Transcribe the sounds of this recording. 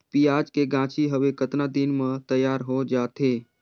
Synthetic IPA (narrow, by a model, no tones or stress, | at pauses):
piːaːd͡ʒkeɡãːt͡ʃiɦəʋekət̪nad̪inmə̃t̪əjaːɾɦod͡ʒaːt̪eː